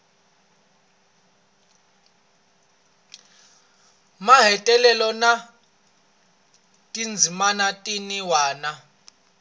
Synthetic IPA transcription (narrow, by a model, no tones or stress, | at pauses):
maɦɛtʼɛlɛlɔna | tʼind͡zʱimanatʼiniwaːna